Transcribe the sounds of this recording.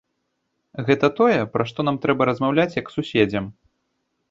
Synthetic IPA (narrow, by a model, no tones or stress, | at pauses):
ɣɛt̪ɐt̪ɔjɛpɾʔɐʂt̪ɔnamt̪ɾɛbɐɾɐzmawlʲat͡sʲjɐksusʲɛd͡zʲɐm